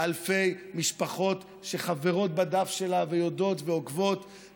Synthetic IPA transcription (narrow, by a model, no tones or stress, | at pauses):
alfe̞jmiʃpaχo̞t̪ | ʃe̞χaveʁo̞t̪̚bad̪afʃe̞lavejo̞do̞tve̞okvo̞t